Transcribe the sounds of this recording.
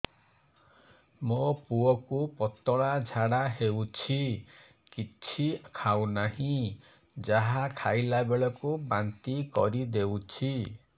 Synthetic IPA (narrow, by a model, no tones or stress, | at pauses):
mopuɔkupɔt̪ɔɭad͡ʒʱaɽaɦewt͡ʃʰi | kit͡ʃʰikʰawnaɦĩ | d͡ʒaɦakʰajlabeɭɔkubant̪ikɔ̰ɾid̪ewt͡ʃʰi